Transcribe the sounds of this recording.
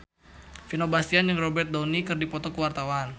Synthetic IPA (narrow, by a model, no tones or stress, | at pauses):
finobast̪ianjəŋrɔbɛrt̪̚d̪ɔnikɨrdipɔt̪ɔkəwart̪awan